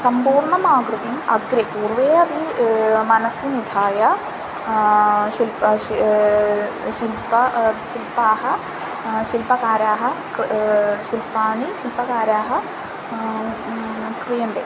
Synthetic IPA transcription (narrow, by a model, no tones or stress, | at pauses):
sɐmbuːrɳɐmaːɡrɨðijumɐɡɾɐpuːrʋeːɐbimɐnɐsjinid̪ʱʰaːjɐ | ɕil | ɕilpɐʃilpaːhɐ | ɕilpɐkaːɾaːɦɐkʃilpaːɳiʃilpɐkaːɾaːɦɐ | krijɐnd̪e